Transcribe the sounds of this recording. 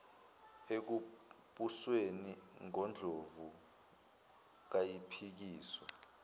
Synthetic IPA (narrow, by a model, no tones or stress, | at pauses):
ek̬u | ɓusweniŋɔnd͡ɮʱovu | k̬ajipʰik̬iːswɔ